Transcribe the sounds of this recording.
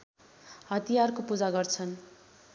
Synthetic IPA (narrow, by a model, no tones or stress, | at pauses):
ɦʌt̪ijarkopud͡zaɡʌrt͡sʰʌn